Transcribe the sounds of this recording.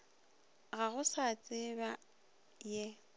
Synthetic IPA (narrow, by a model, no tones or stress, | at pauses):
ɣaɣʊsat͡sʼɪba | jɛ